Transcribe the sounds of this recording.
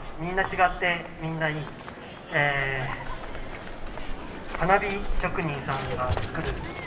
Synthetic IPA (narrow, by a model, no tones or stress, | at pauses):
mʲĩnːat͡ɕiɡat̪ːe̞mʲĩnːaiː | e | panabʲikʲokɯ̟ɲ̟ĩɰ̃sãŋɡat͡sɨ̥kɯ̟ɾɯ̟